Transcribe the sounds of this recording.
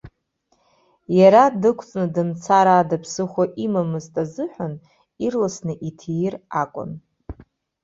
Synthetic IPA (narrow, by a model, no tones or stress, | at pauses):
jaɾadɨkʷʰt͡sʼnɨdɨnt͡sʰaɾaːdapʰsɨχʷaʔimamɨztʼazɨħʷᶣan | irlasnɨʔitʰejrakʷʼʊ̰n